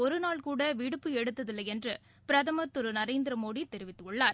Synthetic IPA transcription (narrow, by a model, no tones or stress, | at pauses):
ɔɾɯnaːɭkuːɽɐʋiɽɯpːɯɛɽɯt̪ːɐðɪlːɐɛndrɯ | pɪɾɐðɐmɐt̪ːɯɾɯnɐɾeːnd̪ɪɾɐmoːɽit̪ːɛɾɪʋɪt̪ːɯkɔɭːaːɾ